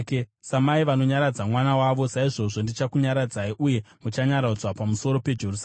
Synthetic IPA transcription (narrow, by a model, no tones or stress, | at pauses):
ksamaiʋano̞ɲaɾad͡zamwanawaʋo̞saiʐo̞ʐo̞ndit͡ʃakuɲaɾad͡zaiʔuje̞mut͡ʃaɲaɾaud͡zwapamuso̞ɾo̞pe̞d͡ʒerus